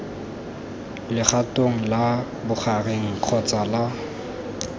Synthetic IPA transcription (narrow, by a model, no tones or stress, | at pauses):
lɪχatoŋ̩la | bʊχareŋ̩q͡χʰɔt͡sʼala